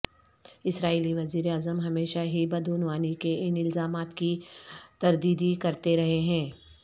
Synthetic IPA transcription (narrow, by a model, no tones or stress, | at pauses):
ɪsɾaːiːliʋɐziːɾeaːzəmɦɐmeːʃaɦibɐd̪uːnʋaːnikeɪnɪlzaːmaːt̪kit̪ɐɾd̪iːd̪ikɐɾt̪eɾɐɦeɦɛ̃ː